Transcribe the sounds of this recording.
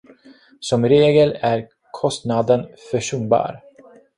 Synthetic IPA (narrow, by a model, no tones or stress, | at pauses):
sɔmɾeːɡəlæɾ | kʰɔst̪nad̪ənfœʂɵnbɑ̰ːɾ